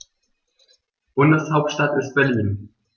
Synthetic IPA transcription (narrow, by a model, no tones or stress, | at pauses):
b̥ʊndəshaʊp̚tʃtatɪst̚b̥ɛɐliːn